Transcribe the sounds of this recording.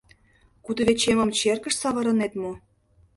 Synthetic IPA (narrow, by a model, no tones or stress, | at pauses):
kud̪ə̆βet͡ɕemə̆mt͡ɕerkə̆ʃsɑβɤ̆ɾɤ̆net̪mo